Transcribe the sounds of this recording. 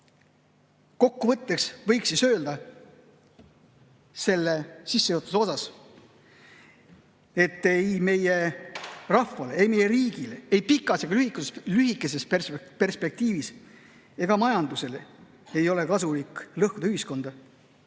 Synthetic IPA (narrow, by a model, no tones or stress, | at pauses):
ko̞kːuvɤt̪ːe̞ksvɤjksisø̞ːld̪̥ɑ | se̞lːe̞sisːejot̪ːˑuso̞sɑs | e̞t̪ːˑejme̞je̞ | rɑfɑleejme̞je̞ɾiːɡ̥ileejpikˑɑseɡɑlyhikːusslyɦikːˑe̞se̞spepe̞rspe̞k̚t̪iːvis | e̞ɡ̥ɑmɑjɑnd̪̥use̞le | e̞jo̞le̞kɑsulikːˑlɤhkud̪̥ɑyhisko̞nd̪̥ɑ